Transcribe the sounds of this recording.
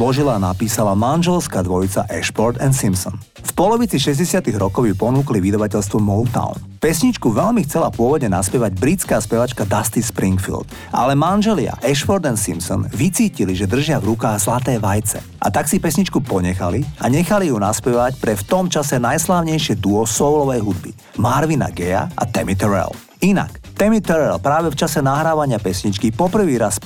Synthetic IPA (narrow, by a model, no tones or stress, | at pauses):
lɔʒilaːnapiːsalamanʒɛlskad̪ʋɔjit͡sa̰ʔɛʃpɔɾd̪ɛnt̪simsɔ̰n | fpɔlɔʋit͡siʃɛzɟɛsɪat̪iɣɾɔkɔʊjupɔnuːkliʋid̪aʋacɛʎst̪ʋɔmɔlt̪a̰ʊn | pɛsɲit͡ʃkuʋɛʎmixt͡sɛlapʊɔʋɔd̪ɲɛnaspɛʋaɟbɾit͡skaːspɛʋat͡ʃkad̪ast̪ispɾiŋkfḭld̪̥ | ʔa̰lɛmanʒɛlia̰ʔɛʃfɔɾd̪ɛnt̪sḭmpsɔ̰nʋit͡siːciliʒɛd̪r̩ʒɪavɾukaːɣzlat̪ɛːʋajt͡sɛ̰ | ʔa̰t̪aksipɛsɲit͡ʃkupɔɲɛxaliaɲɛxalijunaspɛʋacpɾɛft̪ɔmt͡ʃasɛnajslaːʊɲɛjʃɪɛd̪uɔsɔwlɔʋɛjɦud̪bḭ | maɾʋina̰ɡɛja̰ʔa̰t̪ɛmit̪ɛɾɛ̰l | ina̰kt̪ɛmit̪ɛɾɛlpɾaːʋɛft͡ʃasɛnaɦɾaːʋaɲɪapɛsɲit͡ʃkipɔpr̩ʋiːɾas